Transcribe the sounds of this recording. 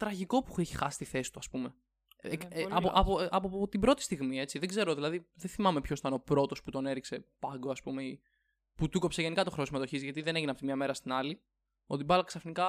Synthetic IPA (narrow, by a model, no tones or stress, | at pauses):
t̪ɾɐʝiko̞pueçi̥xɐsi̥t̪iθe̞si̥t̪uɐspume̞ | ɐoʔɐpoɐpot̪ibɾo̞t̪i̥st̪iɣmie̞t͡siðeɡze̞ɾoðilɐðiðenθimɐme̞pçoit̪ɐno̞pɾo̞t̪o̞sput̪o̞ne̞ɾikse̞pɐŋɡo̞ɐspume̞i | put̪uko̞pseʝe̞nikɐt̪o̞xɾo̞simɐt̪oçizʝɐt̪iðe̞ne̞ʝineɐpft̪imɲɐme̞ɾɐst̪inɐli | o̞t̪ibɐlɐksɐfnikɐ